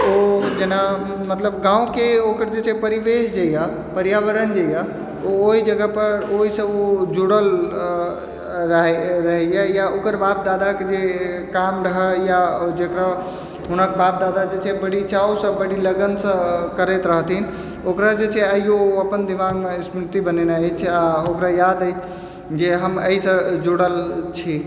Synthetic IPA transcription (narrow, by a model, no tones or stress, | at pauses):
od͡ʒena | mət̪ləbɡãːũkeokəɾd͡ʒet͡ʃʰɛpəɾiʋesd͡ʒaja | pəɾjaʋəɾənd͡ʒaja | ooɦid͡ʒəɡəpəɾoɦisə̃od͡ʒuɽəl | ɾəɦɾəɦɛjajaokəɾbaːp̚d̪ad̪aked͡ʒe | kamɾəɦəjad͡ʒekɾa | ɦunəkbap̚d̪ad̪ad͡ʒet͡ʃʰɛbəɽit͡ʃaosə̃bəɽiləɡənsə̃kəɾet̪ɾəɦt̪ʰin | okɾad͡ʒet͡ʃʰɛəijoəpənd̪imaɡmesmɾit̪ibənenat͡ʃʰaokɾajad̪ət͡ʃʰ | d͡ʒeɦəməisə̃d͡ʒuɽəlt͡ʃʰi